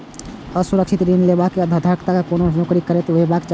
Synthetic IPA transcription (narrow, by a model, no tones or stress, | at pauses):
ɔsuɾəkʃɪt̪ɾinlebakeəd̪ʱad̪ʱaːkt̪akakoːnonokɾikːəɾet̪ebaːkt͡ʃ